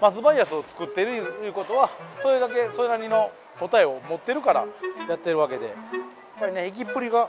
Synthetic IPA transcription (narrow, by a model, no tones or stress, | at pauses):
mazɨbaiasɨot͡sɨ̥kɯ̟t̪ːe̞ɾɯ̟jɯ̟ko̞t̪o̞βaso̞ːjɯd̪ake̞sojenaɲino̞ | ko̞t̪aeo̞mo̞t̪ːeɾɯ̟kaɾa̰jat̪ːeɾɯ̟βake̞d̪e̞̰ | paineikʲipːɯ̟ɾʲiɡa